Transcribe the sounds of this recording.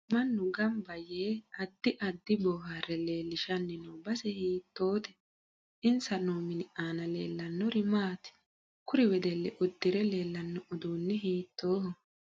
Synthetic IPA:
mɐnːʊɡɐmbɐjeːɐd̪ːɪʔɐd̪ːɪbɔːɦarɛle̞ːlːɪʃɐnːɪnoːbɐsɛhiːt̪ːo̞ːt̪ɛ̥ | ʔɪnsɐnoːmɪnɪʔaːnɐle̞̰ːlːɐnːɔɾɪmaːt̪ɪ̥ | kʊɾɪwɛd̪ɛlːɛʔʊd̪ːɪɾɛle̞ːlːɐnːɔʔʊd̪uːnːɪɦiːt̪ːo̞ːhɔ

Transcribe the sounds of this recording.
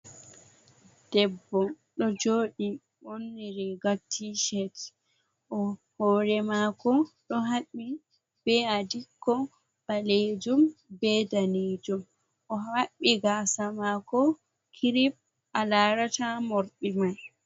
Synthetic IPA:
d̥ɛbːɔ | ɗɔd͡ʒoːɗi | ʔonːiɾɛɡatʰːiʃɛt | ʔɔhɔɾɛmakɔɗɔɦaɓːi | b̥ɛadikːɔ | baled͡ʒumbɛdaned͡ʒum | ʔɔaɓːiɡasamakɔ | kʰiɾip̚ | ʔalaːɾatamɔɾɗimaj

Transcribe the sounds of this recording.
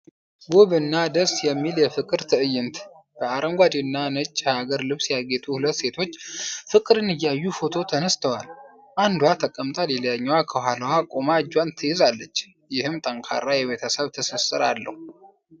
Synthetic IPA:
boβɨnːad̪əsjɛmːiljɛfɨkʼɨɾt̪ʰɨʔɨjɪnt̪ | b̥əaɾəŋɡʷad̪inːanət͡ʃʼːhaɡəɾlɨβsjaɡet̪ʼuhulət̪ːse̞t̪ʰo̞t͡ʃːfɨkʼɨɾɨnɨjːajːufo̞t̪ʰo̞t̪ʰənəst̪ʰəwal | ʔand̪hat̪ʰəkʼːəmt̪ʼaleljaɲːɛwakʰəhaləwakʼomad͡ʒwant̪ʰɨjɪzalːət͡ʃː | jɪhɨmt̪ʼəŋkʰa̰rːajɛβet̪ʰəsəβt̪ʰəsəsːɨɾa̰lːə̰hu

